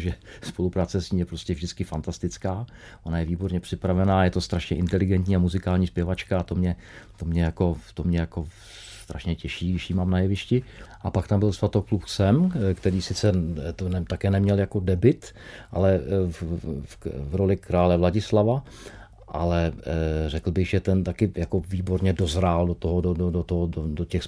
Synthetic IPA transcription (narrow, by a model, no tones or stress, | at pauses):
ʒɛspolupɾaːt͡sɛscʲiːmjɛpɾo̞scɛvʒdɪt͡skɪfant̪ast̪ɪt͡skaː | ʔonajɛviːbo̞ɾɲɛpr̥ɪpɾavɛnaːjɛt̪o̞st̪ɾaʃɲɛʔɪnt̪ɛlɪɡɛnt̪ɲiːamuzɪkaːlɲiːspjɛvat͡ʃkaːt̪o̞mɲɛ | t̪o̞mɲɛjako̞t̪omɲɛjako̞ | sst̪ɾʔa̰ʃɲɛcɛʃiːɡɾɪʃjiːmaːmnajɛvɪʃcɪʔapakt̪ambɪlsvat̪oklupsɛmkt̪ɛɾiːsɪt͡sɛt̪nɛt̪akɛːnɛmɲɛljako̞dɛbɪt̪ | ʔa̰lɛ | vɾolɪkɾaːlɛvlaɟɪslava | ʔa̰lɛrɛkl̩bɪɣʒɛt̪ɛnt̪akɪjakoviːbo̞ɾɲɛdo̞zɾaldot̪oɦodododot̪oɦododocɛxs